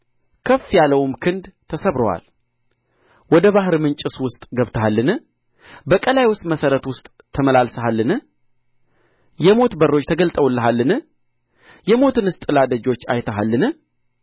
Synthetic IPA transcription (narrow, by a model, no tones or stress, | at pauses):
kʰəfːjaləwmkʰɨnd̪t̪ʰəsəβɾowa̰l | wɔd̪əβaɦɨɾmɨnt͡ʃʼɨswʊst̪ʼɡəβt̪ʰəɦalːɨnɨ | bəkʼəlajwʊst̪ʼməsəɾət̪wʊst̪ʼʰːəməlalsəɦalːɨnɨ | jɛmo̞t̪bərːot͡ʃːt̪ʰəɡəlt̪ʼəwlːəɦalːɨnɨ | jɛmo̞t̪ɨnɨst̪ʼɨlad̪əd͡ʒo̞t͡ʃːa̰jt̪ʰəɦalːɨnɨ